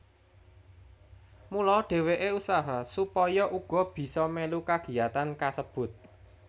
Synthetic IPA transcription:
mulɔɖ̥e̤weʔeusaɦasupɔjɔʔuɡ̥ɔ̤b̥i̤sɔmelukaɡ̥i̤jat̪ankasəb̥ʊ̤t̪̚

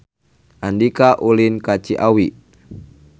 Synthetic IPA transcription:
ʔandikaʔulinkat͡ʃiʔawi

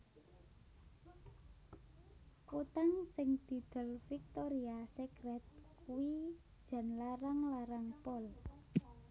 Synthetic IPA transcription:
kot̪aŋsɪŋd̪̥i̤d̪̥ə̤lfik̚t̪oɾiasɛkɾɛt̪̚kuwi̥ | d͡ʒ̥a̤nlaɾaŋlaɾaŋpɔl

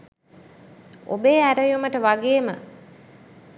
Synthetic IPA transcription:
ʔo̰beːæɾəjuməʈəʋaɡeːmə̰

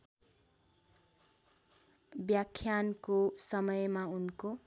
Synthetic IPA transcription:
bjakʰːjankosʌmʌjmaunko

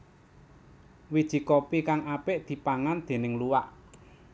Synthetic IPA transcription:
wid̥ʒ̥i̤kɔpikaŋapɪʔd̪̥i̤paŋand̪̥e̤nɪŋluwaʔ

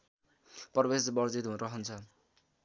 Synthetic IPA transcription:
pʌrbesbʌrd͡zit̪ɦunɾʌɦʌnt͡sʰʌ

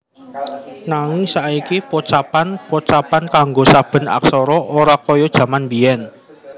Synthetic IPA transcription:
naŋɪŋsaʔikipɔt͡ʃapanpɔt͡ʃapankaŋɡosab̥ə̤na̰ksɔɾɔʔoɾakɔjɔd̥ʒ̥ä̤manbiɛn

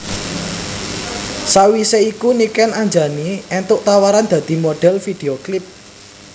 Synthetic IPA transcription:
sawiseikunikɛnaɲd͡ʒa̤niʔɛnt̪ʊʔt̪awaɾand̪̥ä̤d̪̥i̤moɖ̥ɛ̤lfid̥e̤oklɪp̚

